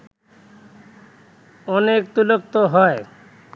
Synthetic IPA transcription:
ɔnek̚t̪ulok̚t̪oɦɔe

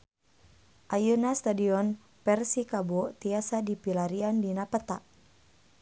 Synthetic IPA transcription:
ʔajunast̪adiɔn | pɛrsikabɔt̪iasadipilaɾiandinapət̪aʔ

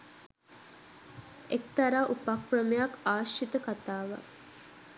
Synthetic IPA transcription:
ek̚t̪aɾaːʔupakprəməjakaːʃit̪əkat̪aːʋa̰

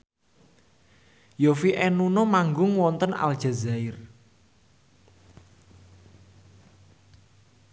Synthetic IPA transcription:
jofiʔɛnunɔmaŋɡʊŋwɔnt̪əna̰ld̥ʒ̥a̤zaɪr

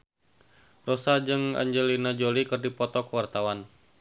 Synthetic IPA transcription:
rɔsad͡ʒɨŋa̰ɲd͡ʒɛlinad͡ʒolikɨrdipɔt̪ɔkəwart̪awan

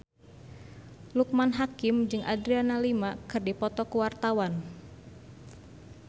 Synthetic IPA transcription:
luk̚manɦakɪmd͡ʒɨŋʔadɾianalimakɨrdipɔt̪ɔkuwart̪awan

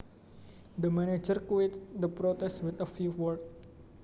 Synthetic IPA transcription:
d̪əmɛ̃ned͡ʒəɾkuet̪d̪əpɾot̪ɛswɪt̪əfjuwɔd

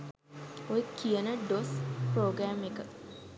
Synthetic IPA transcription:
ojekijənəɖospɾoːɡɾæːmekə

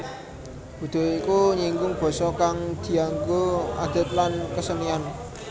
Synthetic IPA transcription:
kṳd̪̥o̤ikuɲiŋɡʊŋb̥ɔ̤sɔkaŋd̪̥i̤aŋɡoa̰d̪̥ə̤t̪̚lankəsənian

